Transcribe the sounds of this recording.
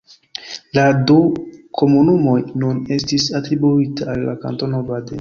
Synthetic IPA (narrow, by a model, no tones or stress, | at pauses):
ladukʰo̞munumo̞jnune̞stisatɾibuitaːlːa̰ka̰nto̞nobadḛ